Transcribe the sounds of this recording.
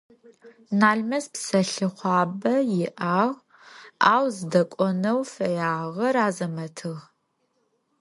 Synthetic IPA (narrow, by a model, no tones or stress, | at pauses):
naːɮmɐspsɐɬɨχʷɑːbɐjɪʔaːʁ | aːwzɨdɐkʷʼɔnɐwfɐjaːʁɐraːzɐmɐtʰɨʁ